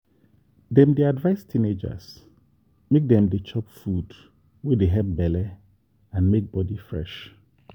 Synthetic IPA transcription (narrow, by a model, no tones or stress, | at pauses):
dɛ̃mdiadvaɪstʰĩned͡ʒa̰s | mek̚dɛ̃mdet͡ʃʰɔpfud | wedeɦɛp̚bɛlɛ | ãnmek̚bɔdifɹɛ̰ʃ